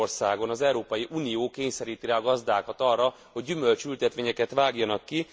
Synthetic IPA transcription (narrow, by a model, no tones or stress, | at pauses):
rsaːɡo̞nɒzɛuɾoːpɒjiʔuːnijoːkeːɲsɛɾiːt̪iɾɛɒɡɒzd̪aːkɒt̪ɒrːɒ | ho̞ɟːymø̞lt͡ʃylt̪ɛt̪ʋeːɲɛkɛt̪ʋaːɡjɒnɒkːi